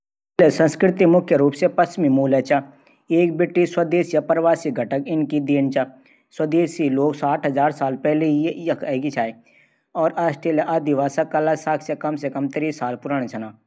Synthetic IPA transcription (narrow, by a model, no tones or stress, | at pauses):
lesə̃nskɾɪt̪imʊkʰjəɾuːpsepɐst͡ʃmimuːlet͡ʃa | eːk̚bɪʈːiswɐd̪eːsjapɾʋaːsiɡʱɐʈəkɪnkid̪eːnt͡ʃa | swɐd̪eːsiloːɡsaːʈʰɦɐzaːɾsaːlpɛɦlejjɐkʰɐːɡit͡ʃʰaːe | ɔːɾaːsʈʰeːleʔaːd̪iʋaːsakɐlasaːksekɐmsekɐmt̪ɪɾiːsaːlpʊɾaːɽ̃et͡ʃʰɐnaː